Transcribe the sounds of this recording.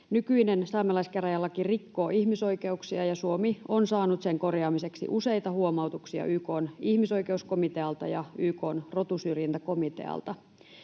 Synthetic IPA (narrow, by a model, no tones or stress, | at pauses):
nykyinensɑːmelɑiskeræjɑlːɑkirikːo̞ːihmiso̞ike̞uksiɑjɑsuomionsɑːnut̪seŋko̞rjɑːmise̞ksḭʔuse̞jt̪ɑhuomɑut̪uksiɑ̰ʔyːko̞ːnihmiso̞ike̞usko̞mit̪eɑlt̪ɑjɑyːko̞ːnrot̪usyrjent̪æko̞mit̪ḛɑ̰lt̪ɑ